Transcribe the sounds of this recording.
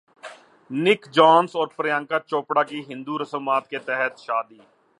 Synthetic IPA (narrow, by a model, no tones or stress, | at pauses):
nɪkd͡ʒaːnsɔːɾpɾɪjãːŋkaːt͡ʃoːpɽaːkiɦɪ̃nd̪uːɾəsəmaːt̪ket̪ɛɦət̪ʃaːd̪iː